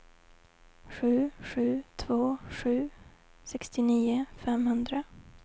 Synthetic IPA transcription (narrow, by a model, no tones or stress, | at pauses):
ɧʉ̟ːɧʉ̟ːt̪ʰvoːɧʉ̟ːsɛkst̪ɪniːʊfɛmhɵnd̪ɾa